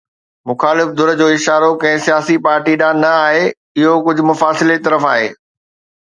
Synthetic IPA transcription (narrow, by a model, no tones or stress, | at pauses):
mʊxaːlɪfd̪ʊɾd͡ʑoːɪʃaːɾokɐ̃ɦɪ̃sijaːsipaːɾʈiɗaːnnɐaːɦe | ɪɦokʊd͡ʑʱʊ̆mʊfaːsɪlet̪ɐɾəfaːɦeː